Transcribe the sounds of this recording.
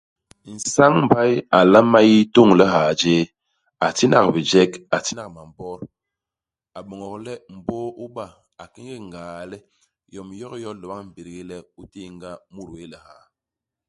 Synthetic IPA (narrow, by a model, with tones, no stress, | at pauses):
n̩˨sa˦ŋm˨ba˦ja˨la˦ma˦ji˦to˦˨ŋlɛ˦ɦaː˨d͡ʒeː˦ | a˨ti˦na̰˨kbi˨d͡ʒɛ˦ka˨ti˦na˨ma˨m˨bɔ˦ɾ | a˨ɓo˨ŋɔ˨klɛ˦m̩˨boː˦u˦ba˦˨ | a˨ki˦ŋɡi˦ŋ˨ɡaː˨lɛ˦ | jɔ˨mjɔ˦kjɔ˦lə˨ba˦ŋm̩˨bi˨ɾɡi˦lɛ˦u˦ti˦˨ŋɡa˦mu˦ɾwe˦lɛ˨ha˨˦